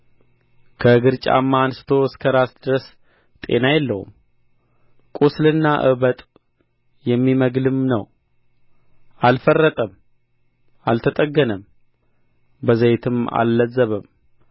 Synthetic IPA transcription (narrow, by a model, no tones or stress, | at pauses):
kʰəɡɨɾt͡ʃʼa̰mːansɨ̥t̪ʰo̞ɪskʰəɾasd̪ɨɾəs | t̪ʼe̞̰najɛlːəhṵm | kʼuslɨnːaʔɨβət̪ʼ | jɛmːiməɡlɨmnə̰w | ʔalfərːət̪ʼəm | ʔalt̪ʰət̪ʼəɡːənəm | bəzəjt̪ʰɨma̰lːəzːəβəm